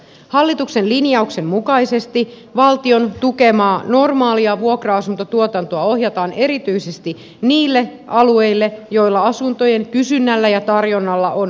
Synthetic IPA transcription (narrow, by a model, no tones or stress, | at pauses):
hɑlːit̪ukse̞nlinjɑukse̞mmukɑise̞st̪i | ʋɑlt̪io̞nt̪uke̞mɑːno̞rmɑːliɑʋuokrɑɑsunt̪ot̪uot̪ɑnt̪oɑo̞ɦjɑt̪ɑːne̞ɾit̪yise̞st̪i | niːlːe̞ʔɑlue̞jlːe̞jo̞jlːɑɑsunt̪o̞je̞ŋkysynːælːæjɑt̪ɑrjo̞nːɑlːɑʔon